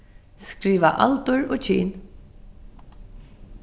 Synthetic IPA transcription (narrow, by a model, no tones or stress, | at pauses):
skɾiːʋaʔa̰lt̪ʊɹoːt͡ʃʰiːn